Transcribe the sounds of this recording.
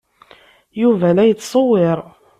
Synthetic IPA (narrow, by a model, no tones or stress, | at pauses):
juvælæjət͡sːsˤowːɪɾˤ